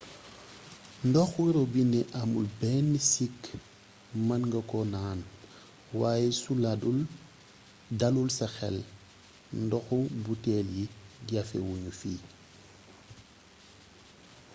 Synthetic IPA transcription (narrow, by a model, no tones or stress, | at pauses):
ndɔxwiɾobineʔamulbɛnːisik | mɐnŋɡɐkɔnaːn | waːjesuladul | dalulsɐxɛ̰l | ndɔxubutɛljiɡafḛwuɲufiː